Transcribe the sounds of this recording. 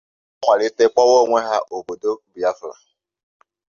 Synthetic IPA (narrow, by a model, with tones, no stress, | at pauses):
ŋʷa˨ɾɪ˦te˦k͡pɔ˦wo˦˨ŋʷe˦ɦa˦ʔo˨bo˨do˦bi˨a˦fla̰˨